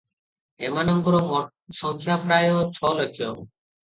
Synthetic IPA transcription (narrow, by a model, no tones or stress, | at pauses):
emanɔmp̪uɾo | ʃɔŋkʰjapɾajot͡ɕʰɔlokʰːo